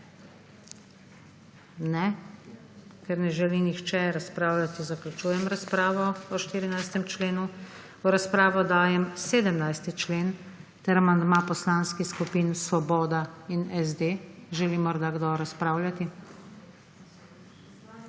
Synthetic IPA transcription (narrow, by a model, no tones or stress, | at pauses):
nɛ | kɛɾnɛʒɛlinixt͡ʃɛɾaspɾaːwlʲjat̪izaklut͡ʃuːjɛmɾaspɾaːʋɔɔʃt̪iːɾinajst̪ɛmt͡ʃleːnu | ɔɾaspɾaːʋɔd̪aːjɛmseːd̪əmnajst̪it͡ʃleːn | t̪ɛɾamand̪mapɔslaːnskixskupinsʋɔbɔːd̪ainɛzd̪eːʒɛlimɔɾd̪aɡd̪ɔɾaspɾaːwlʲjat̪i